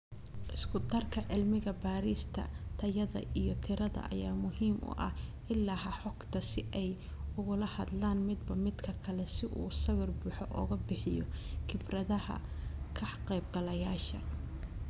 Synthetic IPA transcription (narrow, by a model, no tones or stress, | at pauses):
ʔɪskʰʊd̪ɐrkʰɐʕɪlmɪɣɐbaːɾiːst̪ʰɐ̰t̪ʰɐjɐðɐ̰ʔijɞt̪ʰɪɾɐðɐ̰ʔɐ̰jaːmʊɦiːmʔʊ̰ʔɐhʔɪlːahɐħɔɡt̪ʰɐsɪʔɛjʊɣʊlɐhɐd̪laːnmɪd̪bɐmɪd̪kʰɐkʰɐlɛsɪʔuːsɐwɪrbuːħɔʔɔːɣɐbɪħɪjɔ̰kʰɪbrɐðɐhɐ̰kʰɐħqɛjb̚ɡɐlɐjaːʃɐ̰